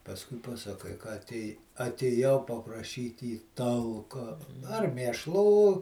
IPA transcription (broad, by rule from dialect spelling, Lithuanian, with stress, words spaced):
pɐsˈkʊɪ pɐsɐˈkɐɪ kɐ ɐtʲˈeːj ɐtʲeːˈjɛʊ pɐprɐˈʃʲiːtʲ iː ˈtɐlˠkɐ ɐr mʲeːʃˈlˠuː